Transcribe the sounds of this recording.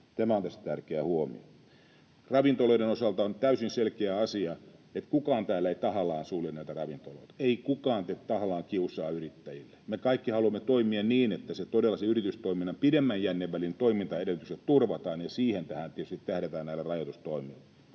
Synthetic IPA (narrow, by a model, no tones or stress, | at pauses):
t̪æmæont̪æst̪æt̪ærkeæhuomḭo̰ | rɑʋint̪oloidenosɑlt̪ɑont̪æysinselkeæɑsiɑet̪kukɑːnt̪æːlːæeit̪ɑhɑlɑːnsuːlinæit̪ærɑʋint̪olo̰it̪ɑ̥eikukɑːnt̪et̪t̪ɑhɑlɑːŋkiusɑːyrit̪ːæjilːe̥mekɑikːihɑluɑmːet̪oimiɑnniːnet̪ːæset̪odelːˑɑseyrit̪yst̪oiminːˑɑpidemːæjjænːeʋʋælint̪oimint̪ɑeɾelyt̪ysett̪urʋɑt̪ɑːnjɑsiːhent̪æhæːnt̪iet̪yst̪it̪tæhɾet̪æːnnæilːerɑjot̪ust̪oimilːe